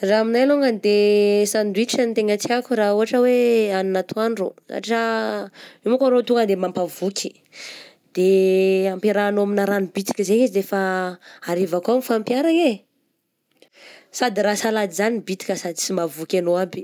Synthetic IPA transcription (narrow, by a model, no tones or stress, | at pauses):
raaminajloŋɡənd̪esand̪uiʈ͡ʂanit̪eŋat͡s̪iakuɾauɦaʈ͡ʂəweaninat̪ʰuanrosa̰ʈ͡ʂə | imakaɾot̪uŋɡənd̪emampavukʲʰi̥ | d̪̥eampiɾaːnoaminaɾanibit̪i̥kəzeiziɾefaaɾivakuamifampjaɾaje | sad̪iɾasalad̪izanibit̪i̥kʲəsad̪it͡simavukʲanoabi̥